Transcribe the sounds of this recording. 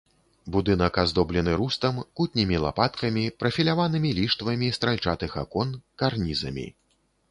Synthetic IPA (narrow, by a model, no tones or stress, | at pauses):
bud̪ɨn̪ɐkazd̪ɔblʲɛnɨɾust̪ɐmkut̪ʲnʲimʲilˠa̰pat̪kɐmʲipɾɐfʲilʲavanɨmʲilʲiʂt̪vɐmʲist̪ɾalʲt͡ʂat̪ɨxakɔnkarnʲizɐ̰mʲḭ